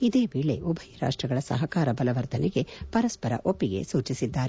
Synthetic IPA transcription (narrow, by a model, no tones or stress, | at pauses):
id̪e̞ːbiɭe̞ʔubʱɐjɐɾa̰ːʂʈɾɐɡɐɭɐsɐ̰ɦɐkaːɾɐbɐlɐʋɐɾt̪ɐneɡe̞pɐɾɐspɐɾɐ̰ʔopːiɡe̞̰suːt͡ʃisid̪ːaːɾe